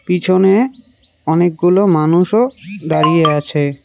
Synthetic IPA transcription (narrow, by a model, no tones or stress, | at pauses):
pit͡ɕʰone | ɔnek̚ɡulomanuʃod̪aɾijeat͡ɕʰe